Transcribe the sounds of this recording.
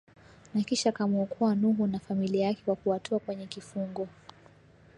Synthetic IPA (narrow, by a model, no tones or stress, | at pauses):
nakiʃakamɔɔkuanuɦunafamiliajakɛwakuatʰɔakwɛɲɛkifuŋɡɔ